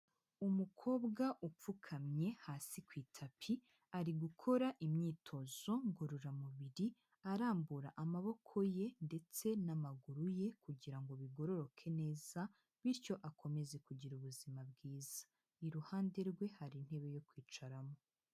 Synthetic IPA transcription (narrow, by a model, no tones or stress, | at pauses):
umukʰo̞ːbɡaʔup͡fukʰamɲe̞haːsikwiːtʰapʰi | aɾiɡukʰo̞ɾaʔimɲiːtʰo̞zo̞ŋɡoɾoɾamuβiɾi | aɾaːmbuɾaʔamaβo̞kʰo̞je̞nde̞t͡se̞namaɡuɾuje̞kuɟiɾaŋɡo̞βiɡo̞ɾo̞ɾo̞kʰe̞ne̞ːz̥a | βiɾco̞ʔakʰo̞me̞ze̞kuɟiɾuβuzimab̚ɡiːzḁ | iɾuhaːnde̞ɾɡwe̞haɾin̥he̞βe̞jo̞kwiːt͡ʃaɾamo̞